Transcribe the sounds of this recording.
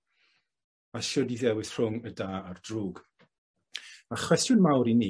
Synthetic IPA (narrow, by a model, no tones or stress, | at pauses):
aʃɔdiðɛwɪθr̥ʊŋədaːardruːɡ | aχwɛsjʊnmawɾiniː